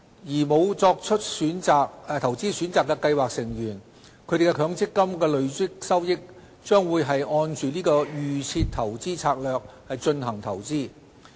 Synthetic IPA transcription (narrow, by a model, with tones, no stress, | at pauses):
jiː˨˩mo˨˧wt͡sɔː˧k̚t͡ʃʰɵ˥t̚syː˨˥naː˧k̚t̪ʰɐ˨˩wt͡siː˥syː˨˥nt͡saː˨kːɛː˧kɐ˧jwaː˨k̚sɪ˨˩ŋjyː˨˩n | kʰɵ˨˧ɥt̪e˨˩kɛ˧kʰœː˨˧ŋt͡sɪ˥kːɐ˥mkɛː˧lɵ˨˧ɥt͡sɪ˥k̚sɐ˥wjɪ˥k̚ | t͡ʃœː˥ŋwuː˨˧jɦɐ˨jɔː˧nt͡ʃyː˨niː˥kɔː˧jyː˨t͡sʰiː˧t̪ʰɐ˨˩wt͡siː˥t͡sʰaː˧k̚lœː˨k̚hɐ˨jt͡ʃɵ˧nɦɐ˨˩ŋt̪ʰɐ˨˩wt͡siː˥˩